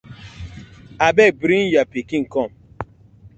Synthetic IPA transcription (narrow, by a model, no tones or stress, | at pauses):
abebɾin̩japikiŋ̩kɔm̩